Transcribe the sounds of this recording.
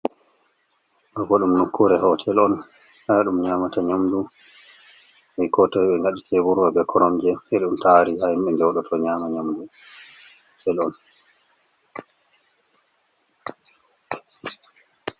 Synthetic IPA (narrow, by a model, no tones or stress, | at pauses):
ʔɔɡɔɗumnukʰːuɾɛɦɔtʰɛlɔn | haɗumɲaːmataɲamdu | hɛjkɔtɔjɓɛŋɡaɗitʰɛbuɾwabɛkʰɔɾɔmd͡ʒɛhɛɗumtaɾihajmɓɛndɛwɗɔtʰɔɲaːmaɲamdu | tʰɛlɔn